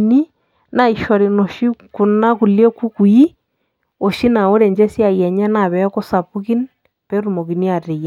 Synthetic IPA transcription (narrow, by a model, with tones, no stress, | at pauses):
ni˦ | na˨i˨ʃɔ˨ɾi˨no˨ʃi˦ku˨na˦ku˨lɔ˦ku˦ku˨i˦ | o˨ʃi˦na˨o˦ɾe˨ɲd͡ʒɛ˦sja˨jɛ˨ɲɛ˦na˨βɛ˨˦ko˦sa˨pu˦ki˦n | pe˦ɾu˨mo˨ki˨ni˦a˨te˨ja˨